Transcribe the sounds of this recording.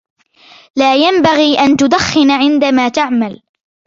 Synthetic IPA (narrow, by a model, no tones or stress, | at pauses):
laːjambaɣiːʔant̪ʊd̪axːɪnʕɪnd̪amaːt̪aʕmal